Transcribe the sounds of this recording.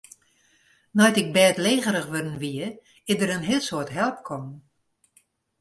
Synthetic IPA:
nɔjtɪk̚bɛːtleːɣəɾəxʋødn̩ʋiə | ɪzdəɾənɦɪəlˠsoətɦɛlˠp̚kʰɔm

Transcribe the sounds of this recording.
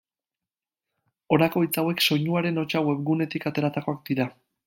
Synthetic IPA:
o̞ɾako̞it͡sawe̞kso̞ɲuaɾe̞no̞t͡ʃawe̞βɣune̞t̪ikat̪e̞ɾat̪ako̞ak̚d̪iɾa

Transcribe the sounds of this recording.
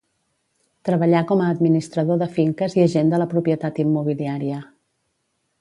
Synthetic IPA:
t̪ɾəβəʎakɔməːd̪minist̪ɾəðoðəfiŋkəziəʒend̪ələpɾupiət̪at̪imːuβ̞iliaɾiə

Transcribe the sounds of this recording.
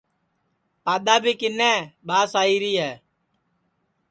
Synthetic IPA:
paːɗ̪aːbʱiːkɪnːɛ̃ːɓaːsaːiːɾiːɦɛː

